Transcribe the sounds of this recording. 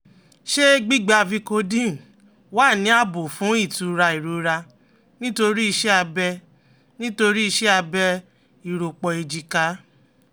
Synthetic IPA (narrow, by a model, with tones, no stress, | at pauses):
ʃe˦ɡ͡bi˦ɡ͡ba˧vi˧ko˧dĩ˦˨n˨ | waː˦˨nĩ˨˦a˦˨bo˨fũ˨˦i˦˨tu˨˦ɾa˧i˨ɾo˨ɾa˧ | nĩ˦to˧ɾi˦i˧ʃɛ˦a˧bɛ˧ | nĩ˦to˧ɾi˦i˧ʃɛ˦a˧bɛ˧ | i˨ɾo˨k͡pɔ˧e˧d͡ʒi˧ka˦